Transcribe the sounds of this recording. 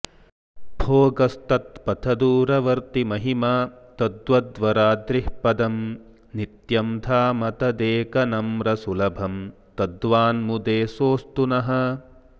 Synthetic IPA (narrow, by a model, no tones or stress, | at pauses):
bʱoːɡɐst̪ɐt̪̚pɐt̪ʰɐd̪uːɾɐʋɐɾt̪imɐɦimaːt̪ɐd̪ʋɐd̪ʋɐɾaːd̪ɾihpɐd̪ɐm | nit̪jɐmt̪ʰaːmɐt̪ɐd̪eːkɐnɐmɾɐsulɐbʱɐm | t̪ɐd̪ʋaːnmud̪eːsoːst̪unɐɦɐ̆